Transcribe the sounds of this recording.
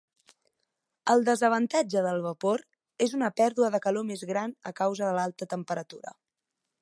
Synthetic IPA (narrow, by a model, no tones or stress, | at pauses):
əlˠd̪əzəβ̞ənt̪ad͡ʒəðəlˠβ̞əpoɾ | ezunəpɛɾðuəðəkəlomezɣɾanəkawzəðəlalˠt̪ət̪əmpəɾət̪uɾə̰